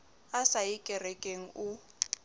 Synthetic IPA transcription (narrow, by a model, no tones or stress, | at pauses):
asaɪkʼɛrɛkʼeŋ̩ʊ